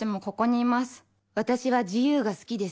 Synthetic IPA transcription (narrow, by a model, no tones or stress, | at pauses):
emo̞ko̞ko̞ɲ̟iːmasɨ̥ | βat̪aɕiβaʑijɯːɡasɨ̥kʲid̪e̞